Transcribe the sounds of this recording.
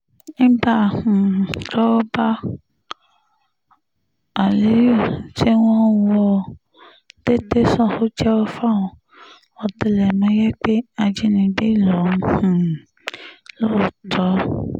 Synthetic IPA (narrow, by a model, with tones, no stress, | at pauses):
ñ̩˦ba˦˨hũ˨ɾɔ˦ɔ˦ba˦ | a˨li˨˦o˦˨t͡ʃe˦wɔ̃˦wɔ˧ | d̥e˦te˦sɔ̃˦˨ho˦d͡ʒɛ˦ɔ˦fa˦˨w̃ɔ̃˨ | ɔ˧te˨˧lɛ˨mã˦jɛ˦k͡pe˦a˧d͡ʒi˦nĩ˧be˦i˦˨lɔ˨˦ũ˨ | lo˦˨tʰɔ˨˦